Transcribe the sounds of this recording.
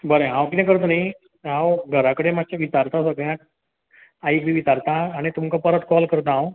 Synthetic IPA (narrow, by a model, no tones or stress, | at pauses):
bəɾeɦãwkinẽkəɾt̪̬nai | ɦãwɡʱəɾakəɽemat͡ɕaʋit̪aɾt̪asəɡɭjãʈ̚ | aikbʱiʋit̪aɾt̪ãːɽ̃it̪umkapəɾət̪kɔlkəɾt̪ãaw